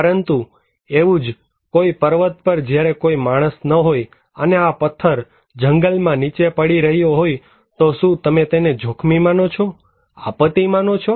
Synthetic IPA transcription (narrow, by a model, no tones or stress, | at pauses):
pəɾənt̪u | eʋũd͡ʒ | koipəɾʋət̪̚pəɾd͡ʒjaɾekoimaɽ̃əsnəɦoj | əneapət̪ʰːəɾ | d͡ʒəŋɡəlmãnit͡ʃepəɽiɾəɦjoɦoj | t̪oʃũt̪əmet̪ened͡ʒʱokʰmimanot͡ʃʰo | a̰pət̪imanot͡ʃʰɔ